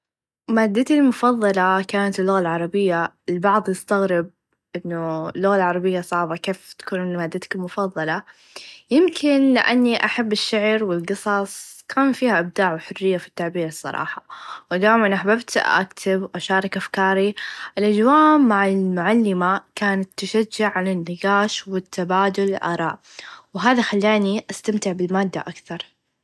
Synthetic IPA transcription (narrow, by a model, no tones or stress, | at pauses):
maːd̪ːat̪ilmʊfɑðˤːɑlɑkaːnat̪ɪlːʊɣalʕɑɾˤɑbɪjːa | ɪlbɑʕðˤjɪst̪aɣɾɪb̚ | ʔɪnːʊɪlːʊɣalʕɑɾˤɑbɪjːasˤɑʕbakeːft̪ḁkuːnmaːd̪ːat̪ɪ̥kɪlmʊfɑðˤːɑlɑ | jɪmkʰɪnlɪʔanːiʔaħabːɪʃːɪʕɾwɪlɡɨsˤɑsˤkʰaːnfiːhaʔɪb̚d̪aːʕwħʊrːɪjːafi̥t̪ːaʕbiːɾɨsˤːɑ̰ɾˤɑ̰ːħɑwɪd̪aːjmanʔaħbabt̪ʔa̰kt̪ʰɪbʔaʃɑːɾˤɪkʔafkɑːɾiʔɪlʔad͡ʒwaːmːaʕɪlmʊʕalːɪmakaːnat̪ːaʃad͡ʒːʊʕʕanɪnːɪɡaːʃwɪt̪ʰːabaːd̪ʊlɪlʔɑ̰ːɾˤɑ̰ːʔ | wɦaːðaxalːaːniʔast̪amt̪ɪʕbɪlmaːd̪ːa̰ʔakθɑɾˤ